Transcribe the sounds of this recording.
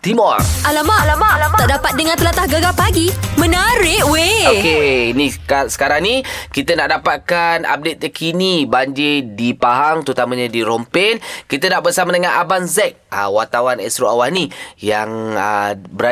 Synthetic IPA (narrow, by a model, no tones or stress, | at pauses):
t̪imɔralamalaaaʔdapat̪̚dəŋãnt̪əlat̪ahɡəɡapaɡimə̃naɾɪʔweokeinikasə̥kaɾaŋnĩkit̪ənaʔdapat̪̚kana̰p̚det̪̚jakʰinibaɲd͡ʒedipaɦaŋt̪ut̪amaɲadiɾɔmpɪnkit̪ənaʔbərsamadəŋanʔabanzɛk̚ə̰wat̪awanɛ̰sɾoawanijaŋəbəɾa